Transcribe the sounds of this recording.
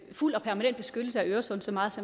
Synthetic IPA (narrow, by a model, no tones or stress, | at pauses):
ful̰ɒ̽pʰæɐmænen̰d̥̚b̥e̝sɡ̥ød̥l̩səæøːɐɐsɒ̽n̩sɒ̽mɑ̈ːðˠsɒ̽